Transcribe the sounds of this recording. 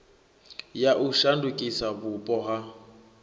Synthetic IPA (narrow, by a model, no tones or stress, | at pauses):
jaʔuʃandukʼisabʊpʼɔɦa